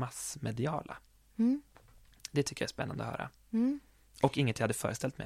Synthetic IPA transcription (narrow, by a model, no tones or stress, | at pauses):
masmɛd̪ɪɑːla̰ | d̪ɛt̪ʰʏkːəjaæːspɛnːand̪ɔhœ̰ːɾa̰ | ɔkɪŋːənt̪ʰːjhad̪ːəfœ̰ːɾəst̪ɛlt̪mɛ̰